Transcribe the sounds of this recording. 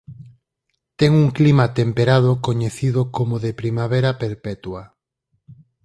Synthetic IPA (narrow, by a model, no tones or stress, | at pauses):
t̪ɛŋuŋklimat̪empeɾaðokoɲeθiðokomoðepɾimaβeɾapeɾpɛt̪wa